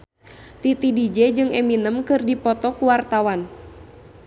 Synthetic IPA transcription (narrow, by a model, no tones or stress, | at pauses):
t̪it̪idid͡ʒɛd͡ʒɨŋɛminəmkɨrdipɔt̪ɔkuwart̪awan